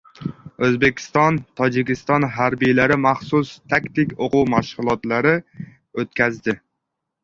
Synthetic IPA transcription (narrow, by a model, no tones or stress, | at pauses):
ɵzbekʲʰɪ̥st̪ɒnt̪ʰɒd͡ʒɪkʲɪst̪ɒnɦaɾbijlaɾɪmaχsʊst̪ʰakt̪ɪkʲoqʊwmaʃʁʊlˠɒt̪laɾɪ | ot̪̚kʲʰazd̪ɪ